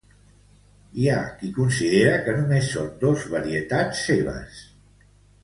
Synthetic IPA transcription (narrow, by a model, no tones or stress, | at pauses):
iakikunsiðeɾəkənumesːond̪ozβəɾiət̪at͡sːeβ̞ə̰s